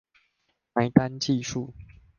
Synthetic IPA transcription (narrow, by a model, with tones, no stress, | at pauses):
ma˨˦ɪt̪a˦nt͡ɕi˥˧ʂu˥˨